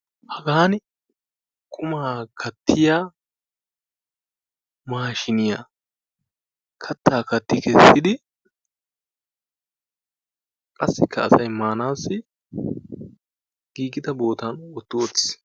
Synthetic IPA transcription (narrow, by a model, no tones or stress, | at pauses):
hɐɡaːn | kʰʊmaːkʰɐt̪ːɪjaː | maːʃɪnɪja | kʰɐt̪ʰːaːkɐt̪ːɪkʰɛsːɪd̪ɪ | kʼɐsːɪkʰːɐːsɐjmaːnaːsːɪ | ɡ̥iːɡɪd̪ɐbo̞ːt̪ɐnɔt̪ːɪɔt͡sːɪ̥s